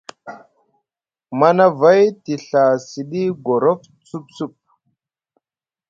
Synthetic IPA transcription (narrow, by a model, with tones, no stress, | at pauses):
ma˦na˦va˦jti˨ɬa˨si˨ɗi˦ɡo˨ɾo˦f | t͡su˦p̚su˦˨p̚